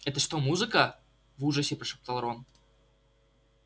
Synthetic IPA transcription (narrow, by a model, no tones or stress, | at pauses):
ɛt̪əʂt̪omuzɨkə | vuʐəsʲɪpɾɐʂɨp̚t̪ɐlˠɾon